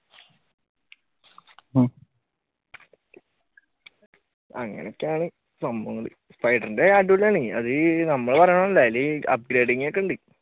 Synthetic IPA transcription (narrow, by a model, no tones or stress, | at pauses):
ɐŋːɐ̰nekːaːɳɨ | sɐmbɐŋːɐɭḭ | spɐjɖɐrndeaːʈːuulːaːɳiɐ̰ðɨnɐmːɐɭpɐɾɐɳɐmɐlːaːjilːiɐ̰p̚ɡɾeːɖiŋːekːɐɳɖi